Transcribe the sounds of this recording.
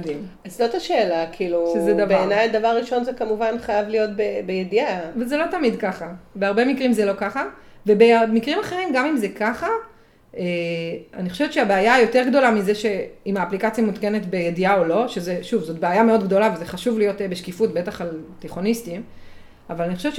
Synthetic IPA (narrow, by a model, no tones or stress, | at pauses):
dim | azzot̪aʃeːlakʰiːluʃezedavbeaenajd̪avaʁːiʃo̞nzekamuvanχajavlijo̞t̚bebejediavezelo̞tamidkaχabeaʁbe̞mikʁimzelo̞kaχa | vebemikʁimaχe̞ʁimɡamimzekaχa | ea̰niχoʃevt̪ʃeabeajajo̞te̞ʁɡd̪o̞lamizeʃe̞imaːplikat͡sjamut̪ke̞ne̞tbe̞jediao̞lo̞ʃe̞zeʃuvzo̞t̚beajameo̞dɡdo̞lavezeχaʃuvlijo̞tbeʃkifutbe̞taχalteχo̞nistim | avalaniχoʃevt͡ʃ